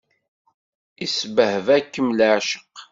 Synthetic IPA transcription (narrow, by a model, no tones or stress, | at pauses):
isbəhəvækːəmlʕʃə̥q